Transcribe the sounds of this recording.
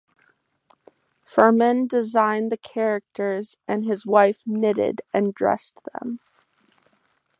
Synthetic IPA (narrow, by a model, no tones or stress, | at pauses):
fɜ˞mɨ̃ndɨzãɪ̃nðɨkʰɛɹɨk̚tʰə˞zʔɨ̃nɨzwaɪfnɪɾɪ̰ɾɨ̃ndɹɛ̰sðə̰̃m